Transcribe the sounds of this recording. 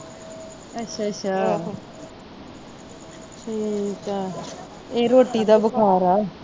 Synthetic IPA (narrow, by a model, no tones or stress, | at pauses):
ətːʃʰaːətːʃʰaː | ʈʰiːaː | eːɾoːʈiːd̪aːbəkʰaːɾaːɛ